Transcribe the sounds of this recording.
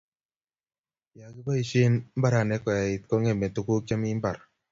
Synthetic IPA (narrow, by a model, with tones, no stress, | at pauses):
ja˨kɪ˦ba˦i˨ʃe˦nmba˦ɾa˨nɛ˦kɔ˨ja˨ɪ˨t̚kɔ˦ŋɛ˦˨mɛ˨tu˨ko˦k̚t͡ʃa˦mi˦mba˨ɾ